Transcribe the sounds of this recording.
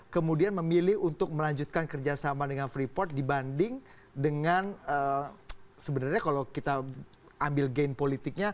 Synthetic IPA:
kəmudianməmilɪhunt̪ʊk̚məlaɲd͡ʒut̪̚kankərd͡ʒasamadəŋanfɾipɔrt̪̚dibandɪŋ | dəŋanə | səbənarɲakalawkit̪a | ambɪlɡenpolit̪ɪk̚ɲa

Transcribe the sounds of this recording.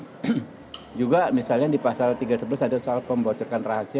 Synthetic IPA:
d͡ʒuɡamisalɲadipasalt̪iɡasəbəlasadasɔalpəmbat͡ʃɔrkanraɦasia

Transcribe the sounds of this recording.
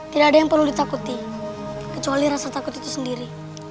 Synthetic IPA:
t̪idaadajaŋpərludit̪akut̪i | kət͡ʃualiɾasat̪akut̪it̪usəndiɾi

